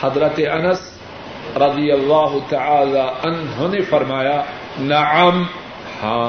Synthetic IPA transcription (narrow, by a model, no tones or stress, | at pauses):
hɐd̪ɾɐt̪eʔɐnɐs | ɾˤɐd̪ijɐlːaːɦʊt̪aʕaːlaʔɐnɦonefɐɾmaːja | nɐʕɐm | hãː